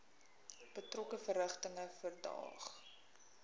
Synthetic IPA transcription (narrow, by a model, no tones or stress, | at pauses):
b̥ətrɔkəfəɾəχtəŋəfərdɑ̰ːχ